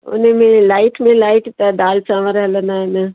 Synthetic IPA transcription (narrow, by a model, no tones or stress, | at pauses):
ʊ̰nemẽlaːɪʈmẽlaːɪʈt̪ad̪aːlt͡ʃaːʋəɾɦɐlənaːena